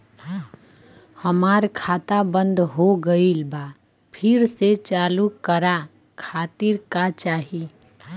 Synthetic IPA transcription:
həmaɾkʰat̪abə̃nd̪ɦoɡəilba | pʰɪɾset͡ʃalukəɾa | kʰat̪iɾkat͡ʃaɦi

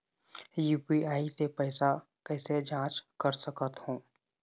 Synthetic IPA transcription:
juːpiaːisepɛːsa | kɛːsed͡ʒãːt͡ʃkəɾsəkət̪hõː

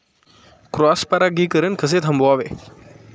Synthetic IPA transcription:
kɾaːspaɾaːɡiːkəɾənkʰəs̬eːt̪ʰɐmboaːʋḛː

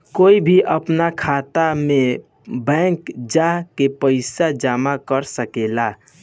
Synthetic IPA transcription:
koːibʱiʔəpnakʰat̪ame | bɛ̃ŋkd͡ʒaɦkepəɪsad͡ʒamakəɾsəkela

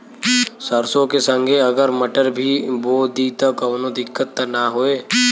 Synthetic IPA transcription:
səɾsõkesə̃ŋɡʱeɐɡəɾmɐʈəɾbʱiboːd̪iːt̪ɐkɐːnod̪ɪkːət̪ːɐnaɦoːeː

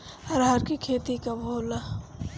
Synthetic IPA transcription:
ɐɾɦəɾkikʰeːt̪ikabʱoːla

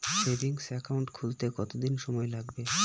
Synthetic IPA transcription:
sebiŋsɛkawɳʈkʰult̪ekɔt̪od̪inʃɔmɔelaɡbe

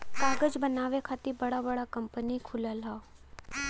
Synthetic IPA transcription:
kaːɡəd͡ʒbənaːʋekʰaːt̪ibɐɽabəɽakɐmpənikʰʊləlɦaː

